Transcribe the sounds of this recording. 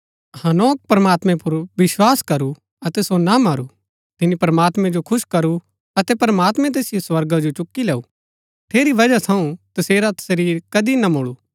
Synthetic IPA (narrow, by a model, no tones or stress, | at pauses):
hɐnoːk̚pɾɐmaːt̪mɛ̃pʊɾʋɪswaːskɐɾu | ɐt̪ɛsonamɐɾu | t̪ɪnipɾɐmaːt̪mɛ̃d͡ʒokʰʊʃkɐɾu | ɐt̪ɛpɾɐmaːt̪mɛ̃t̪̬eːsɪjoswɐɾɡad͡ʒot͡ʃʊkːilɛːu | t̪ʰeːɾiʋɐd͡ʒat̪ʰɐũt̪ɐseːɾat̪ɐ̥səɾiːɾkɐd̪inamoːɭuː